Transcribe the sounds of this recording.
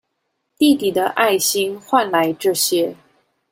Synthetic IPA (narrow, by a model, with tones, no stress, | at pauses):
t̪i˥˩t̪i˨˩d̪ə˦ʔa˥˩ɪɕi˥ŋxwa˥˩nla˧˥ɪʈ͡ʂɤ˥˩ɕjɛ˥